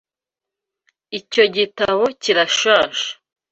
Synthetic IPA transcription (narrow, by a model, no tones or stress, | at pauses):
ico̞ɟitaβo̞ciɾaʃãːʃḁ